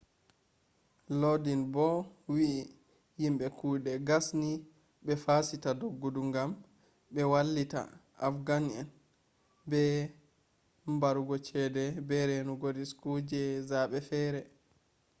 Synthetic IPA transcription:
lodinbɔwiʔː | himɓɛkuːɗɛɡasni | ɓɛfasitadoɡːuduŋɡam | ɓɛwalːita̰ | afɡanɛn | bɛ | mbaɾuɡɔt͡ʃɛdɛbɛɾɛnuɡoɾiskud͡ʒɛzaːɓɛfɛɾɛ

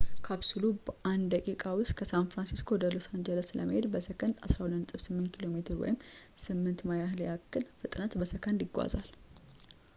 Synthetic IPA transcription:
kʰaβsulubəʔand̪əkʼikʼawʊst̪̚kʰəsanfɾansiskʰo̞d̪əlosand͡ʒələslə̰məhe̞d̪bəsəkʰəna̰sɾahud̪ənɨsʼɨβsɨmːɨnt̪̚kʰilo̞met̪ʰɨɾwɔ̰jɪmsɨmːɨnt̪majahljakːɨlfɨt̪ʼnat̪bəsəkʰənɪɡʷa̰zal

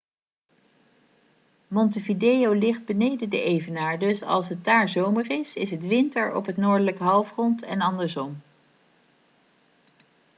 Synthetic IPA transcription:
mɔntəvidejowlɪχd̚bənejdədəʔejvənaːɹdɵsɑ̰lˠsɦət̚daːɹzowmərɪsɪ̰sɦətʋɪntəɹɔ̰pɦətnoːɹdələkəɦɑlˠfrɔntɛ̰nɑndəɹzɔm

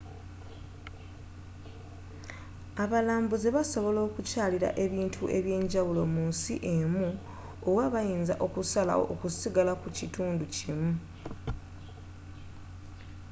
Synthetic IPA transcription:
aβalaːmbuzeβaso̞βo̞lo̞ːkucaːliɾa̰ʔe̞βiːntʰuʔe̞βje̞ːɲɟawulo̞muːnsḭʔe̞mu | owaβajiːnzaʔokusala̰o̰ʔokusiɡalakucituːnducimu

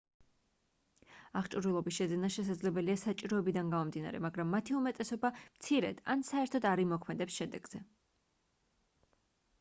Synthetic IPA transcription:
aχt͡ʃʼuɾilˠɔbisʃɛzɛnaʃɛs̬ad̪zlɛbɛliasat͡ʃʼiɾɔɛbid̪anɡamɔmd̪ina̰ɾɛ̰maɡɾamːat̪ʰiumɛt̪ʼɛsɔbamt̪sʰiɾɛ̰d̪a̰nsaɛɾt̪ʰɔd̪aɾimɔkʰmɛd̪ɛpsʃɛd̪ɛɡz̥ɛ

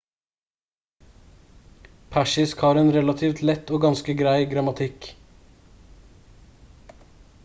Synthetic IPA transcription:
pʰæʃɪskhɑːɾeːnɾɛlɑt̪ʰiːft̪ʰlɛt̪ːoːɡɑnskəɡɾæɪɡɾɑmɑt̪ʰɪk

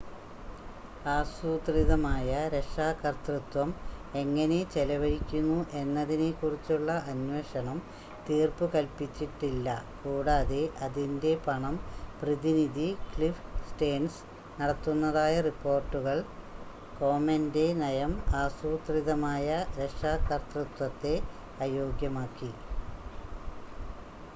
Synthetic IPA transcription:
aːsuːt̪riðɐmaːjɐɾe̞ʂaːkɐrt̪rut̪wɐme̞ŋːɐne̞t͡ɕe̞lɐʋɐɽikʲːunːuʔe̞nːɐðine̞kːurit͡ɕːuɭːɐɐnweːʂɐɳɐm | t̪iːrpɨkɐlpit͡ɕːiʈːilːɐkuːɽaːðe̞ʔɐðinde̞pɐɳɐmprɐðiniðikɭifsʈeːns | nɐɽɐt̪ːunːɐðaːjɐripːo̞ːrʈːuɣɐɭ | ko̞ːmɐnde̞nɐjɐmaːsuːt̪riðɐmaːjɐɾeʂaːkːɐrt̪rut̪wɐt̪ːe̞ | ɐjo̞ːɡjɐmaːkːi

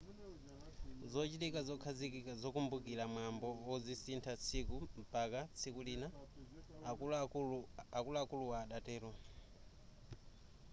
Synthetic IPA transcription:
zɔt͡ʃitikazɔkʰazikikazɔkumbukiɾamwambɔwɔzisintʰat͡sʰikumbakat͡sʰikulina | akulaːkuluwaːɗatɛːɾɔ

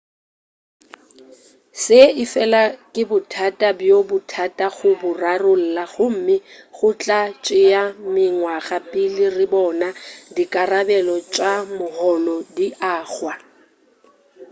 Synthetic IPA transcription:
sɪɪfɛlakʼɪbʊtʰatʼabjobʊtʰatʼaɣʊbʊrarʊl̩laɣʊm̩mɪɣʊt͡ɬʼat͡ʃʼɪjamɪŋwaɣapʼɪlɪrɪbɔnadikʼarabɛlɔt͡ʃʼamʊhɔlɔdiʔaːɣwa

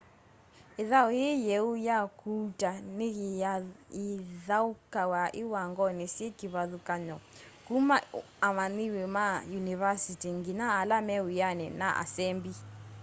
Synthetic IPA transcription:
eðaɔjejɛujakutaneɣ | iðaukawaʔiwaŋɡɔnesjɛkiβaðukaɲɔ | kuma | amaniwɛmajunivasitiŋɡinaːlamɛujanɛna̰ʔa̰sɛmbi

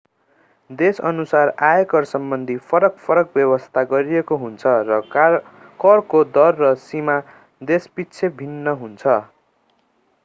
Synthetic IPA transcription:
d̪esʌ̰nusarajekʌrsʌmbʌnd̪ʱipʰʌɾʌkpʰʌɾʌk̚bjʌbʌst̪ʰaɡʌɾijekoɦunt͡sʰʌrʌ | kʌrkod̪ʌrːʌsima | d̪espitːt͡sʰebʱinːʌɦunt͡sʰʌ

